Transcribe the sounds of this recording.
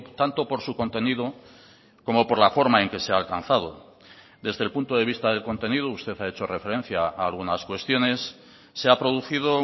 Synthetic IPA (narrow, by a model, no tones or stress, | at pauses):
t̪ant̪o̞po̞ɾsuko̞nt̪e̞niðo | ko̞mo̞poɾlafo̞ɾmae̞ŋke̞seaːlkan̟θað̞o̞̰ | d̪e̞zðe̞lpunt̪o̞ð̞e̞βist̪aðe̞lko̞nt̪e̞niðoust̪e̞θae̞t͡ʃo̞re̞fe̞ɾe̞n̟θjaaːlɣunaskwe̞st̪jo̞ne̞sː | eapɾo̞ðuθið̞o̞